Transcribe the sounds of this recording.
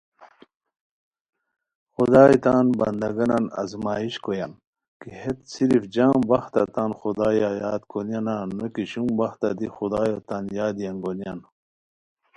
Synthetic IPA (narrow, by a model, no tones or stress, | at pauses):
xud̪aːjt̪aːnbɐ̰nd̪ɐɡɐnɐnɐ̰zmaːiɕkojɐn | kihet̪siɾifd͡ʑaːmbɐxt̪ɐt̪aːnxud̪aːjajaːd̪konjananokiɕumbɐxt̪a̰d̪ixud̪aːjot̪anjaːd̪jɐnɡonjan